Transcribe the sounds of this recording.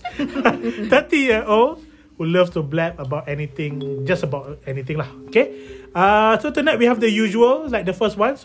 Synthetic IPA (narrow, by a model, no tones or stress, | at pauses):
t̪ət̪ĩjiəo | huləftublɛpəbaʊtɛnit̪ɪ̃ŋd͡ʒasəbaʊtɛnit̪ĩŋlahokeasot̪unat̚wihɛvd̪əjuʒuəllaɪjk̚d̪əfəst̚wãns